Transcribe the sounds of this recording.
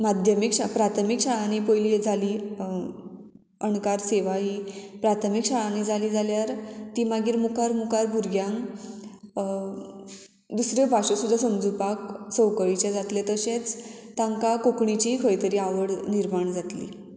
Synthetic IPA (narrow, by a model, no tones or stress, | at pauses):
mad̪ʱjəmikɕapɾat̪ʰəmikɕaɭanipəjliːd͡zʱaliː | əɳkaɾseʋaɦipɾat̪ʰəmikɕaɭanid͡zaliːd͡zaljaɾt̪imaɡiːɾmukaɾmukaɾbʱuɾɡjãŋ | d̪usɾebʱaɕesud̪ʱːasəmd͡zupaksəwkəɭit͡ɕad͡zat̪let̪əɕẽt͡st̪ãŋkakokɳit͡ɕikʰəjt̪əɾiːaʋəɽniɾmaɳd͡zat̪lḭː